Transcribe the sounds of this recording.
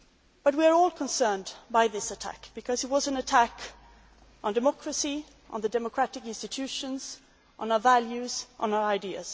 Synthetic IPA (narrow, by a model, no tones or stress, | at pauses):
b̥ʌt̬̚wiə˞ɔlˠkʰə̃nsɜ̃˞nbaɪðɪsətʰæ̰kb̥ɨkʰʌzɨt̚wʌzɨ̃nɨtʰæk | n̩dɨmɑkʰɹɨsi | ʔə̰̃nðɨdɛməkʰɹ̥æɾɨkɪ̃nstɨtʰʉʃɨ̃nz̥ | ʔn̩aʊə˞vælˠjʉz̥ʔə̃n̩aʊə˞aɪdiɨ̰z̥